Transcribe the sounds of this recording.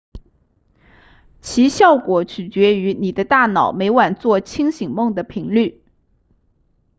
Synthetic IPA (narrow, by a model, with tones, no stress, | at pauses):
t͡ɕʰi˧˥ɕjɑ˥˩ʊkwɔ˨˥t͡ɕʰy˨˩t͡ɕɥɛ˧˥y˧˥ni˨˩d̪ə˦t̪a˥˩nɑ˨˩ʊme˧˥ɪwa˨˩nt͡swɔ˥˩t͡ɕʰi˥ŋɕi˨˩ŋmɤ˥˩ŋd̪ə˩pʰi˧˥ŋly˥˩